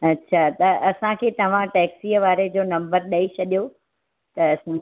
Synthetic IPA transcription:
ɐtːɕʰat̪ɐɐsãkʰeːt̪ɐʋ̤ãʈɛːksiːəʋaːɾed͡ʑoːnɐ̃mbəɾɗɐit͡ɕʰɐɗijo | t̪ɐsã

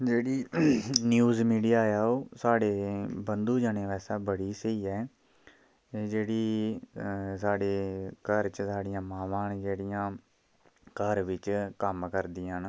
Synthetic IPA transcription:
d͡ʒeːɽiːnjuːzmiːɖijaːjaːoːsaːɽeːbənd̪uːd͡ʒaːnẽːʋɛːsaːbəɽiːsəiːɛː | eːd͡ʒeːɽiː | saːɽeːkəɾt͡ʃəsaːɽɪjãːmaːʋãːnd͡ʒeːɽɪjãː | kəɾʋɪt͡ʃkəmkəɾd̪ɪjãːn

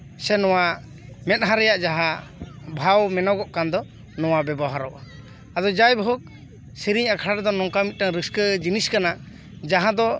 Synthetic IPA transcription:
sɛnɔwa | mɛt̪̚ˀɦaɾɛjaʔd͡ʒaɦabʱawmɛnɔɡɔʔkand̪ɔ | nɔwabɛbɔɦaɾɔʔ | ad̪ɔd͡ʒajbʱuk̚ | siɾiɲakʰaɽaɾd̪ɔnɔŋkamit̪̚ˀʈaŋɾəskəd͡ʒiniskana | d͡ʒaɦãd̪ɔ

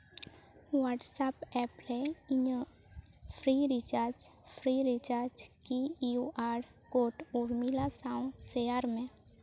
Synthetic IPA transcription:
waːʈsapɛːplɛɪɲə | pʰɾiɾit͡ʃaːɾd͡ʒpʰɾiɾit͡ʃaːɾd͡ʒkiuʔaːɾ | koːʈuɾmilasaːũseaɾmẽ

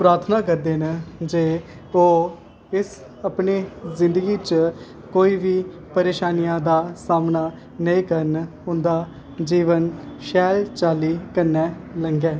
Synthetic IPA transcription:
pɾaːt̪ʰnãːkəɾd̪eːnd͡ʒeː | oː | ɪs | əpneːzɪ̃nd̪əɡiːt͡ʃ | koːiːʋiː | pəɾeːʃaːnijãːd̪aːsaːmnaː | nəĩːkəɾn | ʊ̃nd̪aː | d͡ʒiːʋənʃɛːlt͡ʃaːliːkəɾnɛːləŋɡɛː

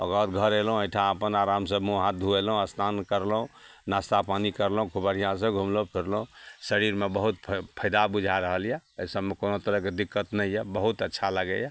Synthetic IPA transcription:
ə̰ɡat̪ɡʱəɾelɦũejʈʰãəpənaɾamsəbmuɦãd̪ʱuelɦũəst̪ʰankəɾlɦũnast̪apanikəɾlũkʰubəɽ̤ijãs̬ə̃ɡʱumlõpʰiɾlũsəɾiɾmebəɦut̪̚ʰpʰəjd̪abud͡ʒʱaɾəɦəljɛsəbmekonot̪əɾəɦked̪ikːət̪nɛjjɛbəɦut̪ətːʃʰaləɡɛ̰ja

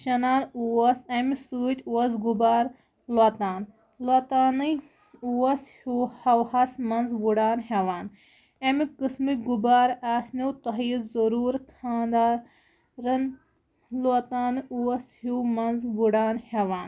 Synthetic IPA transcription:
ʃɐnaːnuɐsɐmisuːt̪ʲuwɐzɡubaːɾ | loːt̪aːn | lot̪aːnɨ | uwɐshuːhɐwhɐsmɐnzʋuɽaːnɦeʋaːn | emikɨsmiɡubaːɾaːsniwt̪ɐɦiːzɐɾuːɾkʰaːnd̪aː | ɾɐn | loːt̪aːnɨuwɐshumɐnzʋuɽaːnheʋaːn

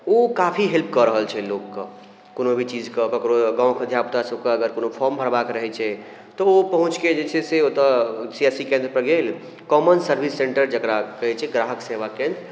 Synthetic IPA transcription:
okapʰiɦelp̚kəɾəɦəlt͡ʃʰɛlokːə | konobʱit͡ʃid͡ʒkekəkɾoɡãw̃kəd̪ʱjapt̪asəb̚keəɡəɾkonopʰɔɾmbʱəɾbakɾəɦɛt͡ʃʰɛ | t̪ɔopəɦũt͡ʃked͡ʒet͡ʃʰɛseot̪əsiɛsikẽnd̪ɾəpɾəɡel | kɔmənsəɾbʱisːẽɳʈəɾd͡ʒəkɾakəɦɛt͡ʃʰɛɡɾaɦəkseʋakẽnd̪ɾ

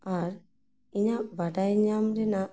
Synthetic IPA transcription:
aɾ | iɲaʔbaɖajɲamɾɛnaʔ

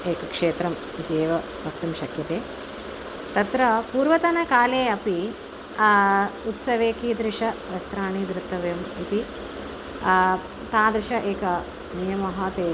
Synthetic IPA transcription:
eːkɐkʂeːt̪ɾɐm | it̪ieːʋɐ | bʱɐk̚t̪ɐmʃɐkjɐt̪eː | t̪ɐt̪ɾɐpuːɾʋɐt̪ɐnɐkaːleːɐpi | ut̪sɐʋeːkid̪ɾɪʂɐʋɐst̪ɾaːɳiːd̪ɾɪt̪ːɐʋɐjɐmit̪i | t̪aːd̪ɾɪʃɐʔeːkɐ | nijɐmɐɦɐt̪eː

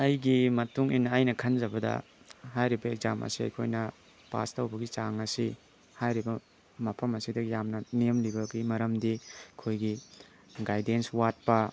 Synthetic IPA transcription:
ɐjɡimɐtuŋinːɐːjnɐkʰɐnd͡ʒɐbɐdɐ̰ | ɦajɾibɐeɡ̚zamʔɐ̰siɐ̰jkʰojnɐ | pa̰stɐwbɐɡit͡ʃaŋɐsi | hajɾibɐ | mɐpʰɐmɐsidɐjamnɐnemlibɐɡimɐɾɐmdikʰojɡi | ɡajdenswat̚pɐ

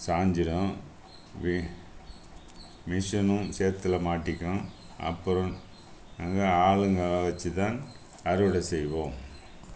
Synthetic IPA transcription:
saːɲd͡ʒɪɽɐ̃ | ʋ | mɪʂɐnɯ̃seːɾt̪ːɪlɐmaːʈːɪkːɐ̃ | ɐ̰pːɯɾɐ̃ | ɐŋɡɐaːɭɯŋɡɐʋɐt͡ʃːɯt̪aːn | ɐɾɯʋɪɽɐsɛjʋõːm

